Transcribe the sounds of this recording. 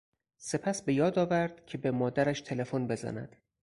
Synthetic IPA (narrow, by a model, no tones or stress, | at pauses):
se̞pʰæsbe̞jɒːd̪ɒːvæɾd̪̥cʰe̞bemɒːd̪æɾæʃt̪ʰe̞le̞fonbe̞zæ̰næ̰d̪̥